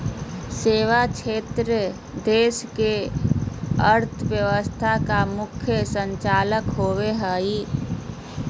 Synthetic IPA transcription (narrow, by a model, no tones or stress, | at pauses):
seːʋat͡ʃʰeːt̪ɾə | d̪eːske | əɾt̪ʰəbjəʋəst̪ʰakamʊkʰjəsəɲt͡ʃaːləkɦoːweɦəi